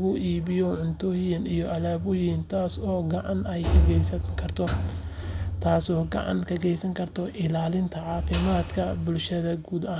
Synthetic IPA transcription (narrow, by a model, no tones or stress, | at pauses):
ɣʊʔiːβɪjɔʕʊnt̪ʰɔːjɪnijɔʔɐlaːβʊjɪnt̪ʰaːsɔːɡɐʕɑnɛjkʰɐɡɛjsɐkʰɐrt̪ʰɔ | t̪ʰaːsɔːɡɑ̰ʕɑ̰nkʰɐɡɛjsɐŋkʰɐrt̪ʰɔʔɪlaːlɪnt̪ʰɐʕɑːfɪmaːd̪kʰɐbʊlʃɐðɐɡuːd̪ɐ